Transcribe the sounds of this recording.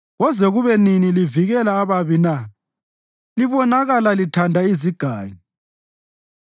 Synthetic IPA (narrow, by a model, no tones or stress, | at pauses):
ɣɔzɛɣuβɛniniliviɣɛlaːβaβina | liβɔnaɣalalitʰandʱaiziɡ̥ʱaːɲi